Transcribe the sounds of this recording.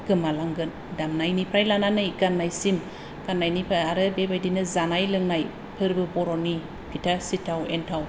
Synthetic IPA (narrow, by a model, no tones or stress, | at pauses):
ɡ̥ɯmalaŋɡɯn | damnajnipʰɾajlananajɡanːajsim | ɡ̥anːajnipʰaaɾɯbebajdinɯzanajlɯŋnaj | pʰɯɾbɯbɔɾɔni | pʰitʰasitʰawentʰaw